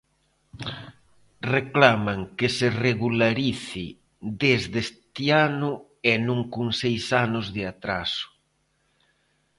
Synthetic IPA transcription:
reklamaŋkesereɣulaɾiθi | d̪ezðest̪ianʊ | enũŋkuŋsejsanʊzðɪat̪ɾasʊ̥

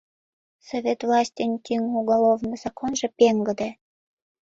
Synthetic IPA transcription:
sovʲet̪vlˠɑsʲtʲənʲt̪ʲyŋuɣolovnɤz̥ɑkonʒĕpeŋɡəd̪e

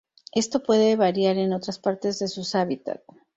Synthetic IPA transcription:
e̞st̪o̞pwe̞ðe̞βaɾjaɾe̞no̞t̪ɾaspaɾt̪e̞zðe̞susaβit̪a̰t̪

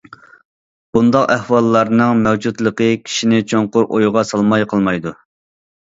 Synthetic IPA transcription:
b̥und̪ɑqæhwɑlˠːɑɾnɨŋmɛwd͡ʒut̪lˠəqəkʲʰi̥ʃinɪt͡ʃʰoŋqʊɾʔojʁɑsɑlˠmɑjqʰəlˠmɑjd̪u

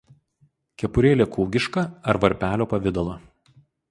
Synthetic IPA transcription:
kʲɛpʊɾʲeːlʲeːkuːɡʲɪʃkɐɐɾʋɐɾʲpʲæːlʲoːpɐʋʲɪd̪ɐlˠoː

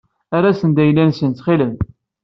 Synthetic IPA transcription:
aɾˤasənd̪æjlːænsənt̪χiləm

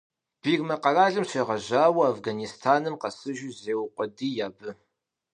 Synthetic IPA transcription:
b̥iːrmɐqɐraːɮɨmɕeːʁɐʑaːwɐafɡanistʰaːnɨmqɐsɨʒʊzeːwqʷʼɔdiːjaːbɨ

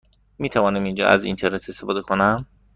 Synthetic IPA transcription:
miːt̪ʰævɒːnæmind͡ʒɒ̰ːʔæ̰zḭnt̪ʰeɾne̞t̪ʰe̞st̪efɒːd̪e̞kʰonæm

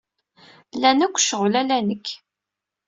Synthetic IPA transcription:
lænækʷːʃəʁlælænəkː

